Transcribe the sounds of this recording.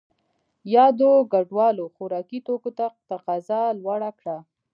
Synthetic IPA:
jɑd̪oɡaɖwɑloxoɾɑkit̪okot̪at̪aqɑzalwaɽakɽa

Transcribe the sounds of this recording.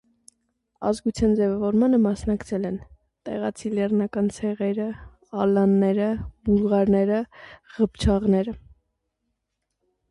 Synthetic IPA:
ɑ̰zɡut͡sʰjɑnd͡zɛvɑvɔɾmɑnəmɑsnɑkt͡sʰɛlɛn | t̪ɛ̰ʁɑt͡sʰilɛrnɑkɑnt͡sʰɛʁɛɾə | ɑlɑnːɛɾəmuʁɑɾnɛɾəʁəpt͡ʃʰɑʁnɛɾə

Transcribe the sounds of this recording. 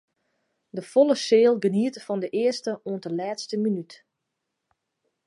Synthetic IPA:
dəfɔləseːlˠɡəniətfɔndəʔɪəstəuəntəlɛːtstəminyt

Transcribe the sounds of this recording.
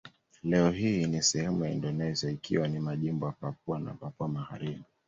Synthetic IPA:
lɛɔɦiːnisɛhɛmujaḭndɔnɛziaikʰiwanimaʄimbɔjapap̚uana̰papuamaha̰ɾimi

